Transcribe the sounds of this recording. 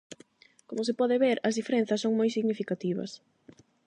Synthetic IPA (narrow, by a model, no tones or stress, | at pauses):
komosepɔðeβeɾɐzðifeɾen̟θɐsːoŋmojsiɣnifikat̪iβɐ̰s